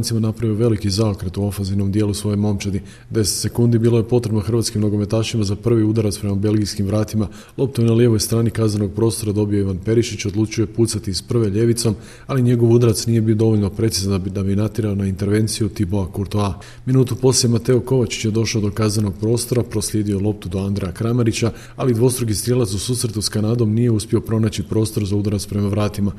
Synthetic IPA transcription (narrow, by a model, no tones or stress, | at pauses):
nt̪simanapɾaʋioʋe̞likizaokɾet̪uofazino̞md̪je̞ːlusʋo̞jemo̞mt͡ʃed̪i | d̪e̞set̪se̞kund̪ibiːlˠo̞je̞po̞t̪ɾe̞bnoxr̩ʋaːt̪skimno̞ɡo̞me̞t̪aːʃimazapr̩ʋiud̪aɾat̪spɾe̞mabe̞lˠɡiskimʋɾaːt̪ima | lˠo̞p̚t̪oenalje̞ʋo̞jst̪ɾaːnikazano̞ɡ̚pɾo̞ːst̪o̞ɾad̪o̞bio̞iʋanpe̞ɾiʃit͡ɕo̞d̪lˠuːt͡ʃuje̞puːt̪sat̪ispr̩ʋe̞ʎe̞ʋit̪so̞m | aliɲe̞ɡo̞ʋud̪ɾat̪snije̞bio̞d̪o̞ʋo̞ʎʲno̞pɾe̞t̪sizand̪abijenat̪iɾaonaint̪e̞ɾʋe̞ːnt̪sijut̪iboakuɾt̪oa | minuːt̪upo̞slʲje̞mat̪e̞oko̞ʋat͡ɕi̥t͡ɕjed̪o̞ʃaod̪o̞kaznano̞ɡ̚pɾo̞ːst̪o̞ɾapɾoslʎje̞ːd̪io̞lˠo̞p̚t̪ud̪oand̪ɾejakɾamaɾit͡ɕa | alid̪ʋo̞st̪ɾuɡist̪ɾjelat̪susuːsɾe̞t̪uskanaːd̪o̞mnije̞uspjio̞pɾo̞naːt͡ɕipɾo̞ːst̪o̞ɾzaud̪ɾat̪spɾe̞maʋɾaːt̪ima